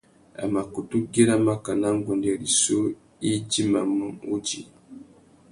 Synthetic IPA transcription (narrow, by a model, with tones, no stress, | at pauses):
a̰˨ma˨ku˨tu˦ɡi˦ɾa˦ma˦ka˨na˦ŋ˦ɡɔ˨ndɛ˨ɾi˨su˦ | i˦d͡ʒi˦ma˨mu˦u˦d͡ʒi˨